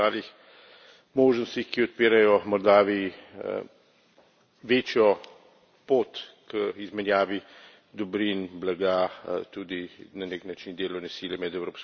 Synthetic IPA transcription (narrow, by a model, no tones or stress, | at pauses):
aːlix | moːʒnɔst̪ixkiɔt̪̚piːɾajɔmɔɾd̪aːʋḭ | ʋeːt͡ʃjɔ | poːt̪kəizmɛnjaːʋi | d̪ɔbɾinblaɡaːt̪uːd̪inaneknat͡ʃind̪eːlɔwnɛsiːljɛmɛd̪ɛwɾoːps